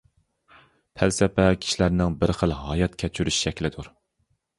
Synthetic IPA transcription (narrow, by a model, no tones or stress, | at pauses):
pʰælsɛpɛkʲʰi̥ʃilæɾnɪŋbɪɾχəlɦɑːjɑt̪kʲʰɛt͡ʃʰyɾyʃʃɛkʲlɪd̪uɾ